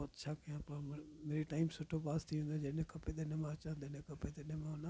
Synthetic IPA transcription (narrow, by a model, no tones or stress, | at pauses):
ɔːt̪t͡ʃʰaːkəjãːpãmeːɾiʈaːɪmsʊʈʰopaːst̪ʰiʊ̃nd̪od͡ʒenẽkəped̪enemãːt͡ʃãd̪enẽkəped̪enemãːna